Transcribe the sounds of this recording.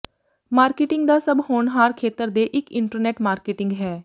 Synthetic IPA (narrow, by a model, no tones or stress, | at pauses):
maːɾkɪːʈɪ̃ŋɡd̪aːsəbhoːɳɦaːɾkʰeːt̪əɾd̪eːʔɪkɪ̃ɳʈəɾnɛːʈmaːɾkeːʈɪ̃ŋɡɦɛː